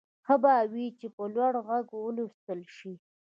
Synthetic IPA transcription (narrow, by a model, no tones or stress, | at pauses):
xəbawit͡ʃepəlwaɽɣaɡwəlit̪əlʃi